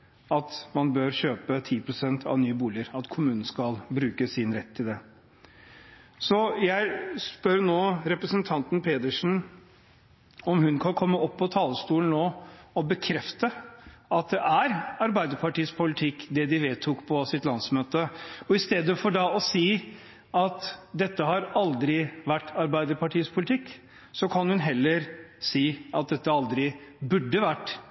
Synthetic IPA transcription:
ɑt̪mɑnbøːɾɕøːpət̪ʰiːpʰɾʊsɛnt̪ʰɑ̰ʋnyːəbuːlɪəɾɑt̪kʰʊmʉːnn̩skɑlbɾʉːkəsɪnɾɛt̪ʰːɪld̪ɛ | sɔjæɪspœɾnoːɾɛpɾəsənt̪ʰɑnt̪npʰeːd̪əʂn̩ | ɔmhʉnkʰɑnkʰɔmːəʔɔpːɔt̪ʰɑːləst̪uːln̩noːɔbəkʰɾɛft̪əɑt̪̚d̪ɛʔæɾɑɾbæɪd̪əɾpʰɑʈiːəspʰʊlɪt̪ʰɪkːd̪ɛd̪ɪʋeːt̪ʰʊkpʰɔsɪt̪lɑnsmøːt̪əɔɪst̪eːd̪əfɔɖɑɔsiː | ɑt̪d̪ɛt̪ːəɦɑɾɑld̪ɾɪʋæʈːɑɾbæɪd̪əɾpɑʈʰiːəspʰʊlɪt̪ʰɪkː | sɔkʰɑnhʉnɦɛlːəɾsiːɑt̪̚d̪ɛt̪ːəɑld̪ɾɪbʉɖːəʋæʈː

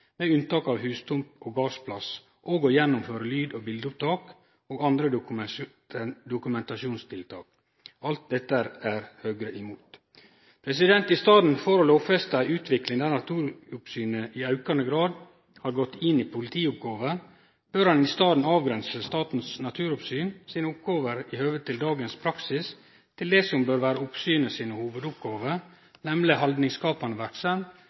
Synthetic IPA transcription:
mɛʉnt̪ɑːkɑːʋhʉːst̪ʰʊmpoːɡɑːʂpʰlɑs | ʔoːɡɔjɛnːʊmføːɾəlyːd̪oːbɪld̪ʊp̚t̪ʰɑːk | oːɡɑnd̪ɾə | d̪ʊkʉmɛnt̪ɑʃuːnst̪ʰɪlt̪ʰɑ̰ːk | ɑlt̪̚d̪ɛt̪ːəæɾæɾhøːɡɾəʔɪmuːt̪ | pʰɾɛsɪd̪ɛnt̪ɪst̪ɑːd̪n̩foːɾoloːfɛst̪æɪʉːt̪ʰʋɪklɪŋd̪ɛnɑt̪ʰuːɾʊpsyːnəʔɪɑʉkɑnəɡɾɑːd̪ | hɑːɾɡɔt̪ːɪnːiːpʰʊlɪt̪ʰiːʊp̚ɡɑːʋə | b̥øːɾhɑnɪst̪ɑːd̪n̩ɑːʋɡɾɛnsəst̪ɑːt̪n̩snɑt̪ʰʉːɾʊpsyːnsiːnəʊp̚ɡoːʋəɾɪhøːʋət̪ʰːɪld̪ɑːɡənspʰɾɑksɪs | t̪ʰɪld̪ɛsɔmbøːɾʋæːɾəʊpsyːnəsiːnəhuːʋəd̪ʊp̚ɡoːʋəɾ | nɛmlɪhɑld̪nɪŋskɑːpɑnəʋæɾksɑm

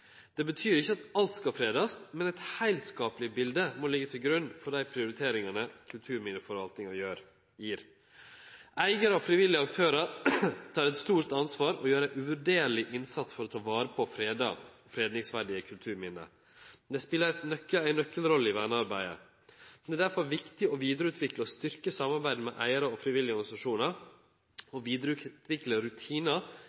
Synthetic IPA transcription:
d̪̥ɛbət̪ʰyːɾɪçːəɑt̪ɑlt̪skɑlfɾeːd̪ɑst̪mɛnæɪt̪hæɪlt̪skɑːplɪbɪld̪əmoːlɪɡːət̪ʰɪlɡɾʉnfɔɖd̪æɪpʰɾɪʊɾɪt̪ʰeːɾɪŋɑnəkʰʉlt̪ʰʉːɾmɪnəfɔɾɑlt̪ɪŋɑjøːɾ | jiːɾ | æɪɡəɾəɔfɾɪʋɪlɪəɑkt̪ʰøːɾɑɾt̪ʰɑːɾɛt̪st̪uːɾt̪ɑnsʋɑːɾɔjøːɾəʔʉʋʉɖeːɾɭɪʔɪnsɑt̪sfɔɾɔt̪ʰɑːʋɑːɾəpʰɔfɾeːd̪ɑ̰ɔfɾeːd̪nɪŋsʋæɖɪəkʰʉlt̪ʰʉːɾmɪnːə̰ | d̪ɛspɪlːəɾɛt̪nœkːəæɪnːœkːəlɾɔlːəɪʋænəɑɾbæɪə̰ | d̪ɛæd̪æɾfɔɾʋɪkt̪ɪɔʋiːd̪əɾəʉːt̪ʰʋɪkləɔst̪ʏɾkəsɑmɑɾbæɪd̪əmɛ̰ʔæɪəɾəɔfɾɪʋɪlːɪəɔɾɡɑnɪsɑʂuːnɑɾ | ɔʋiːd̪ɾəʉt̪ʋɪkləɾʉt̪ʰiːnɑ

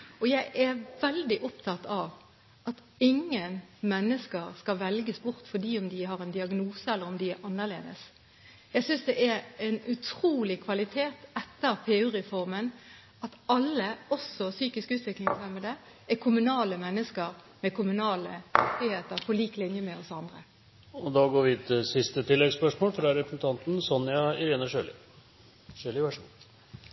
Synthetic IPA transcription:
ɔjæɪʔæʋɛld̪ɪʔɔpt̪ʰɑt̪ɑʋ | ɑt̪ | ɪŋːənmɛnːəskəʁskɑʋɛlɡəsbʊʁt̪fɔd̪iːɔmd̪ɪɦhɑʁɛnd̪ɪɑɡnuːsəɛlːəɾɔmd̪ɪæʔɑnːəʁlḛːd̪ə̰s | jæɪsʏnsd̪ɛʔæɾɛnʉt̪ʰɾuːlɪkʰʋɑlɪt̪ʰeːt̪ɛt̪ːəʁpʰeːʉɾɛfɔʁmən | ɑt̪ɑlːəɔsɔsyːkɪskʉːt̪ʋɪklɪŋsæməd̪ə | ækʰʊmʉnɑːləmɛnːəskəɾ | mɛkʰʊmʉnɑːləmɪkt̪ɪheːt̪əɾpʰɔliːklɪnjəmɛɔsɑnd̪ʁə | ɔd̪ɑɡoːɾʋɪɛt̪sɪst̪ət̪ʰɪlːɛɡspœʂmoːlfɾɑɾɛpɾsn̩t̪ʰɑnt̪n̩sɔnːɪɑɪɾeːnəʂøːlɪ̰ | ʂøːlɪʋæʂəɡu

